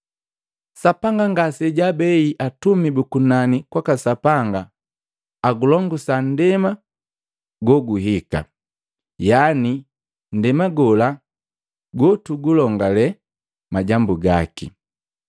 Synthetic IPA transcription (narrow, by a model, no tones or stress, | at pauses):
sapaŋɡaŋɡasɛɟabɛiʔatumibukunanikwakasapaŋɡaː | ɡulɔŋɡusan̩dɛma | ɡɔɡuɦika̰ | jani | n̩dɛmaɡɔla | ɡɔtuɡulɔŋɡalɛ | maɟambuɡakḭ